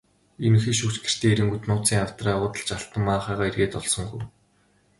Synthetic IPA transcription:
enuxeːʃukt͡ɕɡĕr̥t̪ʰeːeɾɘ̆ŋɡut̪nʊːt͡siːŋaw̥t̪raːʊːt̪ə̆ɮt͡ɕaɬt̪ə̆mːaːχaːʁaːerɣeːt̪ɔɮsɞ̆ŋɡṵj

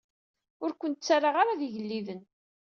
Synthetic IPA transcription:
ʊɾkʷənt̪t͡sːaɾaʁaɾaðiʝəlːiðən

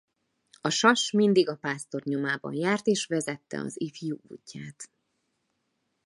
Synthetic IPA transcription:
ɒʃɒʃmind̪iɡɒpaːst̪o̞rɲo̞maːbɒ̰njaːrt̪eːʃʋɛzɛt̪ːɛ̰ɒ̰zifjuṵːcːaːt̪

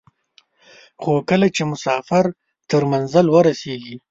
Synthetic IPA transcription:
xokəlat͡ʃemʊsɑfɪɾ | t̪əɾmanzəlwəɾaseɡi

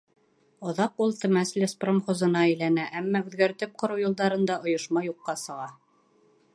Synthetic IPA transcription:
ŏðɑqulˠt̪ɘ̆mæslʲespromχŏzɤ̆nɑæjlænæʔæmːæʉðɡæɾt̪ɘp̚qŏɾɤwjŏlˠd̪ɑɾɤ̆nd̪ɑŏjŏʃmɑjuqːɑsɤ̆ʁɑ

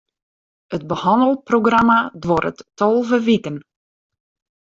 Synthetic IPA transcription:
əd̚bəhɔndəlˠproɡramadʋoɾətːɔlˠvəʋitən

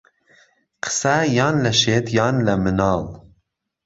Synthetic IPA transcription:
qʰɨ̥sæjɑːnlɛʃeːt̪ʰjɑːnlɛmɨnɑːl

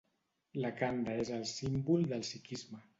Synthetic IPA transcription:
lakand̪aezəlˠsimbulˠd̪əlˠsikizmə

